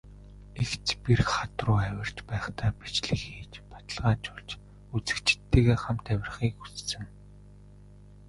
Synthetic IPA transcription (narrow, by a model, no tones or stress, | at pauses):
ext͡spirχat̪rʊːæwʲɪ̆r̥t͡ɕpæːχt̪ʰaːpi̥t͡ɕɮɘ̆xxiːt͡ɕpḁt̪ə̆ɮʁaːt͡ɕʊɮt͡ɕ | ut͡sɘ̆kt͡ɕɪ̥̆t̪ːeːɣeːχam̥t̪ʰæwʲɪ̆rχiːkut͡ssɘ̆ŋ